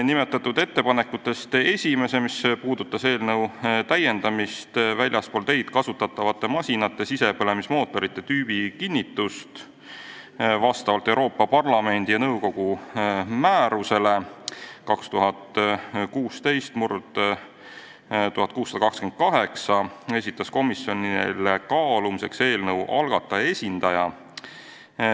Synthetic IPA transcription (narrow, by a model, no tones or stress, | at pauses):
nime̞t̪ːˑɑt̪ːˑud̪e̞t̪ːe̞pɑne̞kːˑut̪ːˑe̞st̪e̞sʲime̞se̞mispuːd̪̥ut̪ːˑɑse̞ːlnɤwt̪æje̞nd̪̥ɑmist̪vælʲjɑspo̞lt̪e̞jd̪̥kɑsut̪ːˑɑt̪ːˑɑvɑt̪ːˑe̞mɑsʲinɑt̪ːˑe̞sise̞pɤle̞mismo̞ːt̪ːˑo̞ɾit̪ːe̞t̪yːb̥ikinʲːit̪ːˑust̪ | vɑst̪ɑvɑlt̪ːˑe̞wɾo̞ːpːɑpɑrlɑme̞nd̪̥ijɑnɤwko̞ɡ̥u | mæːɾuse̞lekɑkst̪uɦɑt̪ˑkuːst̪e̞jst̪murd̪̥ | t̪uhɑt̪̚ˑkuːsːɑd̪ɑkɑksken̥̚kɑɦe̞ksɑe̞sʲit̪ːˑɑsko̞misjo̞nḭlekɑːlumise̞kse̞ːlnɤwʔɑlɡ̥ɑt̪ːˑɑe̞sʲind̪ɑjɑ